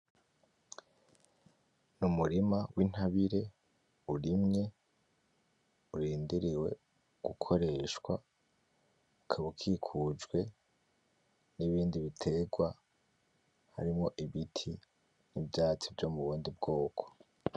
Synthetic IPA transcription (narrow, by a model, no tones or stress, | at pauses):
numuɾimawʔin̥haβiɾe̞ | uɾimɲe̞ | uɾiːndiɾiwe̞̰ | ɡ̥ukʰo̞ɾe̞ʃkwa | ukʰaβukʰikʰud͡ʒɡwe̞ | niβiːndiβitʰe̞ɡwa | ha̰ɾimŋo̞ʔiβitʰi | nibɟaːt͡sivɟo̞ːmuβuːndibɡo̞ːkʰo̥